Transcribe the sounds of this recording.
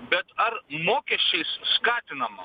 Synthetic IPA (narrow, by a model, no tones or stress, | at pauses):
bɐt̪ɐɾmoːkeʃisskaːtnɐmɐ̰